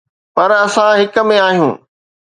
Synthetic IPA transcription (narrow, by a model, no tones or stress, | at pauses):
pɐɾɐsãɦɪkmẽaːɦijũː